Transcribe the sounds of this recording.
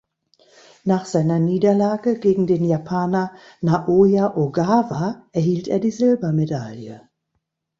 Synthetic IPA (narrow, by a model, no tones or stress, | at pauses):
naːχz̥aɪnɐniːdɐlaːɡəɡeːɡŋ̩deːnjapʰaːnɐ | naʔoːjaʔoɡaːvaʔɛɐhiːltḛːɐdiːzɪlbɐmedaljə